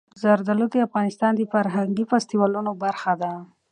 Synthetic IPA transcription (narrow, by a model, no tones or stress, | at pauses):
zaɾd̪alud̪əafɣɑnɪst̪ɑnd̪əfaɾɦaŋɡifast̪iwɑlunobaɾxad̪a